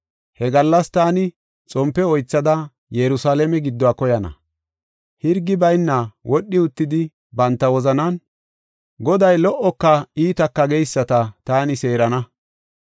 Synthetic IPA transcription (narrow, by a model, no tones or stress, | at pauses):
hɛɡɐlːɐst̪aːnɪ | t͡sʼɔmpːɛɔjt͡sːɐd̪ɐ | jɛɾʊsaːlɛmɛɡɪd̪ːɔaːkɔjɐnɐ̰ | hɪɾɡɪbɐjnːɐwɔɗːɪʊt̪ːɪd̪ɪ | bɐnt̪ːɐwɔzɐnɐn | ɡɔd̪ɐjlɔʔɔkːɐiːt̪ɐkːɐɡejsːɐt̪ɐt̪aːnɪse̞ːɾɐnɐ